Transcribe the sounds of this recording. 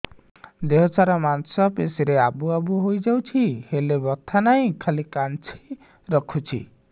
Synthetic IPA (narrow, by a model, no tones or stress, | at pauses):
d̪eɦɔt͡ʃaɾɔmansɔpesiɾeabuabuɦojd͡ʒawt͡ʃʰihelebɔt̪ʰanaĩkʰalikant͡ʃʰi̥ | ɾɔkʰut͡ʃʰḭ